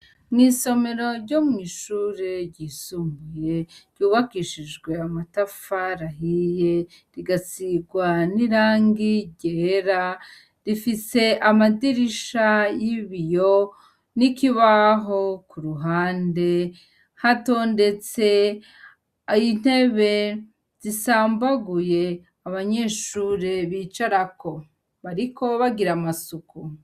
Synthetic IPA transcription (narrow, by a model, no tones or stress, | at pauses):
mŋiːso̞me̞ɾo̞ɾɟo̞mŋiːʃuːɾeɾɟiːsumbuje̞ɾɟuːβakiʃid͡ʒɡwe̞amatafaɾaɦije̞ | ɾiɡat͡siɡwaniɾaːŋɡiɟeɾa | ɾifise̞ʔamadiɾiʃajiβijo | nikiβaɦo̞kuɾuɦaːnde̞ | hato̞ːnde̞t͡se̞ | jin̥he̞βe̞ | z̥isaːmbaɡuje̞ | aβaɲe̞ːʃuːɾeβiːt͡ʃaɾako̞ | βaɾiko̞βaɡiɾamasuku